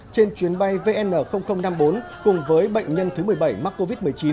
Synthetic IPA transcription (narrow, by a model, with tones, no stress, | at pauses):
t͡ɕe˧nt͡ɕwi˨˦ənɓa˧jve˧ʔɛ˧nʔəː˧˩xə˧wŋ͡mxə˧wŋ͡mna˧mɓo˨˦nkʊ˨˩ŋ͡mvəː˨˦jɓə̰˧˨jŋ̟ɲə˧nt̪ʰɨ˨˦mɨ˨˩əjɓa˧˩jma˦˥k̚kːo˧vi˦˥t̚mɨ˨˩əjt͡ɕi˨˦n